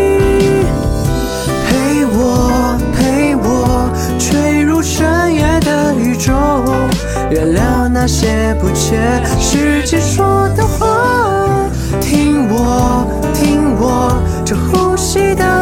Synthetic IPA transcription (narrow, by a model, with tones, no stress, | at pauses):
pʰe˧˥ɪwɔ˨˩ | pʰe˧˥ɪwɔ˨˩ | t͡ɕʰɥe˥˩ɪɻu˥˧ʂʰə˥njɛ˧˥d̪ə˧ | y˧˩ʈ͡ʂo˥ | ɥɛ˧nlja˧˥ʊna˧ɕjɛ˥ | pu˧˥t͡ɕʰɥɛ˥ | ʂɻ̩˧˩t͡ɕi˧ʂwɔ˥d̪ə˧xwa˧˥ | t̪ʰi˥ŋwɔ˨˩ | t̪ʰi˥ŋwɔ˨˩ | ʈ͡ʂə˧˩xu˥˧ɕi˥d̪ə˧